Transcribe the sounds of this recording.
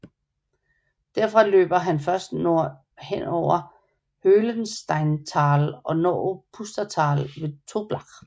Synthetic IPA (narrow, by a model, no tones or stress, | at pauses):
d̥æɐfʁɑ̈lø̰ːb̥ɐɦænfɶɐsd̥noɐ̰ | hen̰ɒʊ̰ɐ | høːlənsd̥ɑ̈ɪnt͡sʰɑ̈ːlɒ̽nɒ̰ːpʰusd̥ɐt͡sʰɑ̈ːlʋe̝t͡sʰo̝b̥lɑ̈ʁ